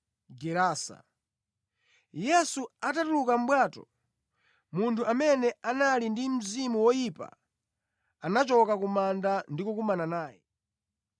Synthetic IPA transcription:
ɡɛɾaːsa̰ | jɛsuatatulukam̩ɓwaːtɔ̰ | muntʰuʔamɛnɛanalindim̩zimuwɔjipa̰ | anat͡ʃɔkakumandandikukumananaːjɛ

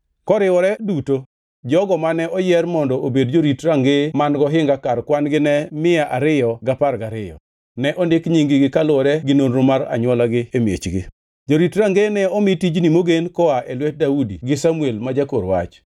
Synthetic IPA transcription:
kɔɾɪwɔɾɛduto | d͡ʒɔɡɔmanɛʔɔjɛrmɔndɔʔobedd͡ʒoɾitɾaŋɡemanɡɔɦɪŋɡakarkwanɡɪnɛmɪaʔaɾɪjɔɡaparɡaɾɪjɔ̰ | nɛʔɔndɪkɲiŋɡɪɡɪkalʊɔɾɛɡɪnonɾʊmaɾa̰ɲwɔlaɡɪemjḛt͡ʃɡɪ̰ | d͡ʒoɾitɾaŋɡenɛɔmitid͡ʒnimoɡenkɔaʔɛlwɛt̚daudiɡɪsamuelmad͡ʒakoɾwa̰t͡ʃ

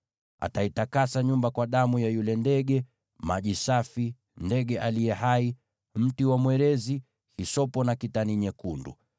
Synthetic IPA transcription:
a̰taitakasaɲumbakwaɗamujajulɛndɛɠɛ | maʄisafi | ndɛɡɛʔalijɛɦai | m̩tiwamwɛɾɛzi | hisɔpɔnakitaniɲɛkundṵ

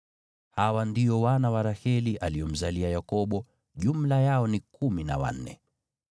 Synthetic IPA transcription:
hawandijɔwanawaɾahɛliʔaliɔm̩zaliajakɔɓɔ | ʄum̩lajaɔnikʰumina̰wa̰n̩ːɛ̰

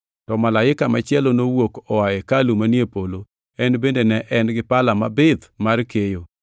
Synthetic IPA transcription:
tɔmalaɪkamat͡ʃɪɛlonowokɔwaɛkalumanjepolo | ɛnbendenɛʔɛnɡɪpalamabɪd̪markejo

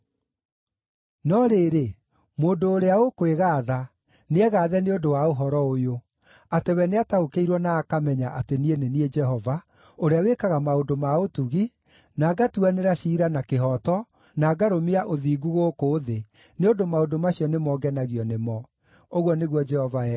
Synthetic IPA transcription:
nɔɾeːɾe | moːndoːɾeaokoweɣaːða | neɛɣaːðɛneondowaoɦɔɾɔojo | atewɛneataokeiɾwɔnaːkamɛɲaʔatenienenied͡ʒɛɦɔva | oɾeawekaɣamaondomaotuɣi | naːɡatuaneɾaɕiːɾanakeɦɔtɔ | naːɡaɾomiaʔoðiːɡuɣoːkoːðe | neondomaodomaɕiɔnemɔːɡɛnaɣiɔnemɔ | oɣwɔneɣwɔd͡ʒɛhɔvaɛ

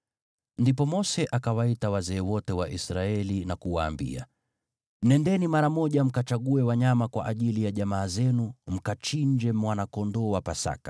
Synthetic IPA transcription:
ndipɔmɔsɛʔakawaitawazɛːwɔtɛwaʔisɾaɛlinakuwaːmbḭa̰ | m̩nɛndɛnimaɾamɔʄam̩kat͡ʃaɠuɛwaɲamakwa̰ʔaʄilijaʄamaːzɛnum̩kat͡ʃiɲd͡ʒɛmwanakɔndɔːwapasa̰kḁ

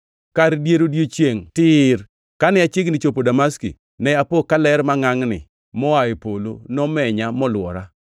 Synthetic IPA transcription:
kaɾdjeɾodjot͡ʃjeŋtɪr | kanɪat͡ʃɪɡnɪt͡ʃopodamaskḭ | nɛapokalɛɾmaŋaŋnɪ̰ | mɔaepolo̰nɔmɛɲamɔlwɔɾa

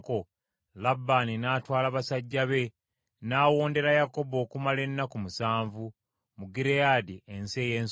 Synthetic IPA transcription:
ko̞ | labːaninaːtwaːlaβasaɟːaβe̞ | naːwo̞ːnde̞ɾajako̞bo̞ːkumale̞nːakumusaːɱvu | muɡiɾejaːdiense̞ːjeːns

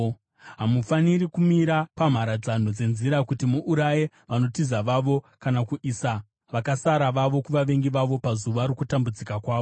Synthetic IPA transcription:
ɦamufaniɾikumiɾapam̤aɾad͡zan̤od͡ze̞nziɾakutimuʔuɾaje | ʋano̞tizaʋaʋo̞ | kanakuʔiːsa | ʋakasaɾaʋaʋo̞kuʋaʋe̞ŋɡiʋaʋo̞pazuʋaɾukutambud͡zikakwaːʋo

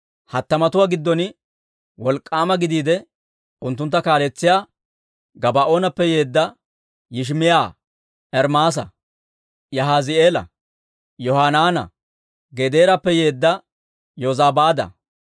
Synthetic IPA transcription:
hɐt̪ːɐmɐt̪ʊwaːɡɪd̪ːɔnɪ | wɔlkʼːaːmɐɡɪd̪iːd̪ɛ | ʊnt̪̬ːʊnt̪ːɐkaːlɛt͡sːɪjaː | ɡɐbaʔo̞ːnɐpːɛje̞ːd̪ːɐ | jɪʃ̬mɪjaː | ɛɾmaːs̬ɐ̰ | jɐɦaːzɪeːlɐ̰ | jɔhaːnaːnɐ̰ | ɡɛd̪eːɾɐpːɛjeːd̪ːɐ | jozaːbaːd̪ɐ̰

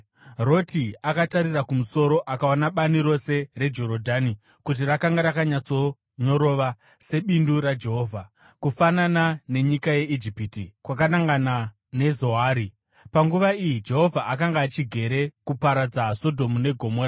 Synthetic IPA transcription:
ro̞tʰiakataɾirakumuso̞ɾo̞ʔakaonaɓaniɾo̞se̞re̞d͡ʒo̞ɾodʱani | kut̬irakaŋɡaɾakaɲat͡so̞ | ɲo̞ɾo̞ʋa | se̞ɓinduɾad͡ʒe̞ɦo̞ːvʱa | kufananane̞ɲikaje̞id͡ʒipitikwakanaŋɡana | ne̞zo̞ɦaːɾi | paŋɡuʋaijid͡ʒe̞ɦo̞vʱaʔakaŋɡaːt͡ʃiɡʱe̞ɾe̞kupaɾad͡zaso̞dʱo̞mune̞ɡʱo̞mora

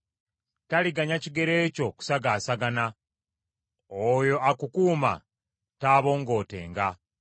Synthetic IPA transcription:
taliɡaɲaciɡe̞ɾe̞ːco̞ku̥saɡaːsaɡana | ojo̞ʔakukuːma̰ | taːβo̞ːŋɡo̞ːte̞̰ːŋɡa

